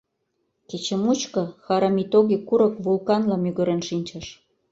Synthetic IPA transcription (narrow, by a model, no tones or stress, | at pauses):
ket͡ɕə̆mut͡ɕkɤ̆xɑɾɑmit̪oɣikːuɾɤ̆kβulkɑnlɑmyɣə̆ɾĕnʃinʲt͡ɕɑʃ